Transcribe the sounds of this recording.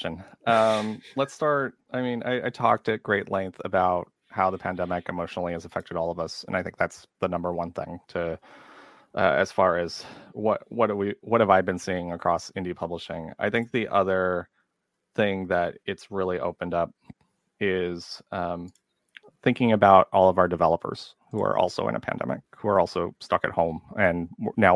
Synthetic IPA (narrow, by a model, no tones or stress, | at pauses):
ɨ̃nʌ̃mlətstɑɹt̚aɪmĩnʔa̰ɪʔaɪtʰɔ̰k̚tɨt̚ɡ̥ɹeɪʔˡlɛ̃ŋk̚θɨ̰baʊt̚ | haʊðɨpʰæ̃ndɛmɨkɨmoʊʃnl̩ˠiɨzəfɛk̚tɨɾɔlˠʌvʌsɨ̰̃naɪθɪ̃ŋk̚ðætsðɨnʌ̃mbə˞wʌ̃nθɪ̰̃ŋtʰɨ | ʔʌ̰ɨ̰z̥fɑɹɨz̥wʌt̚wʌɾəwiwʌt̚hɨvaɪbɨ̃nsiɪ̃ŋɨkʰɹ̥ɔsɪ̃ndipʰʌbləʃɪ̃ŋa̰ɪθɪ̃ŋk̚ðiʔʌðə˞ | θɪ̃ŋðɨɾɪtsɹɪlˠiʔo̰ʊpɨ̃ndʌp̚ | ɪz̥ʌ̃m | θɪ̃ŋkɪ̃ŋɨbaʊɾɔlˠʌvaʊə˞dɨvɛlˠəpʰə̰˞z̥ | huə̰˞ʔɔ̰lˠsoʊʔɨ̰̃nə̰pʰæ̰̃ndɛ̰mɨ̰k̚huə̰˞ɔlˠsoʊstʌkɨ̰t̚hõʊ̃mɨ̃nnaʊ